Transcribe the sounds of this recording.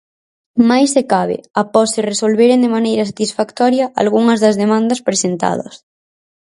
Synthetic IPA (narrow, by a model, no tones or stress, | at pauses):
majsːekaβ̞ɪ̰apɔsːɪresolβeɾend̪emanejɾɐsat̪isfakt̪ɔɾjɐʔa̰lɣuŋɐzðɐzðemãnd̪ɐspɾesent̪a̰ð̞ɐ̰s